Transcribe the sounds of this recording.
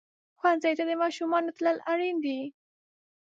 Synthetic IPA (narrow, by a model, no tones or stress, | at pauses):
xwanzajt̪ad̪əmɑʃumɑnot̪ləlaɽind̪i